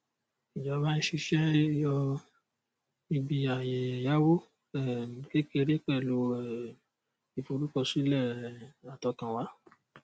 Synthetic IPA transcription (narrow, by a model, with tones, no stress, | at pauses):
i˨d͡ʒɔ˨˦ba˦nĩ˦ʃi˧ʃɛ˦jɔ˧ | i˧bi˨˧a˨je˨ja˨˦wo˦ | ɛ˦˨ke˦ke˧ɾe˦k͡pɛ˦˨lo˧˦˨ | i˨fo˧ɾu˦kɔ˧˨si˦lɛ˦˨a˨tɔ˧kã˨wa˨˦